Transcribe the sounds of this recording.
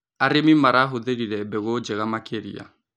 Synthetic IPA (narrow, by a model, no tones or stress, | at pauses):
aɾemimaɾaɦoðeɾiɾɛbɛɣod͡ʒeɣamakeɾḭa̰